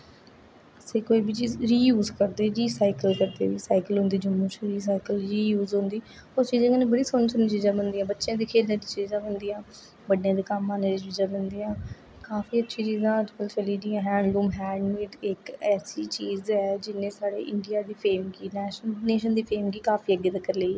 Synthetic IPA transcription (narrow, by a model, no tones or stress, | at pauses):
seːkoːibiːt͡ʃiːzɾiːjuːzkəɾd̪eːd͡ʒiːsaːɪkəlkəɾd̪ḛːʋiːsaːɪkəlɦʊ̃nd̪iːd͡ʒʊmːũːt͡ʃɾiːs̬aːɪkəlɾiːjuːzɦʊ̃nd̪iː | ost͡ʃiːzãːkəːnẽːbəɽiːsʊnsənit͡ʃiːzãːbənd̪iːãːbətːʃjãːd̪iːkʰeːlãːd̪iːt͡ʃiːzãːbənd̪iːãː | bəɽjãːd̪eːkəmːãːned͡ʒit͡ʃiːzãːbənd̪iːãː | kaːfiːətːʃʰiːt͡ʃiːzãːəd͡ʒkəlt͡ʃəliːd̪ĩːãːɦɛ̃ːɳɖluːmɦɛːɳɖmiːʈɪkɛːsiːt͡ʃiːzɛːd͡ʒɪnẽːsaːɽḛːʔɪɳɖijaːd̪iːpʰeːmɡiːnɛːʃneːʃənd̪iːpʰeːmɡiːkaːfʰiːəɡːeːt̪əkəɾleːiː